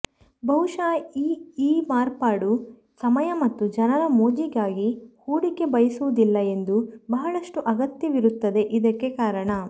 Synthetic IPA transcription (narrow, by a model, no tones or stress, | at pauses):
bɐɦuʂaːiːiːmaːɾpaːɽu | sɐmɐjɐmɐt̪ːud͡ʒɐnɐɾɐmoːd͡ʒiɡaːɡihuːɽike̞bɐjɐsuʋud̪ilːɐe̞nd̪ubɐɦɐɭɐʂʈuʔɐɡɐt̪jɐʋiɾut̪ːɐd̪e̞ʔid̪ɐkːe̞kaːɾɐɳɐ